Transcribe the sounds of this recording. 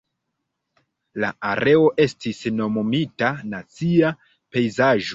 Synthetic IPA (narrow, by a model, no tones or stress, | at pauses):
la̰ʔaɾʔe̞o̞ʔe̞stisno̞momitanat͡sia | pe̞jzaʒo